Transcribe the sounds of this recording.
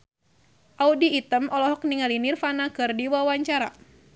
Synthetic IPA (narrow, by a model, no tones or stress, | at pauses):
ʔaudiːt̪əmɔlɔɦɔk̚niŋalinirfanakɨrdiwawaɲt͡ʃaɾa̰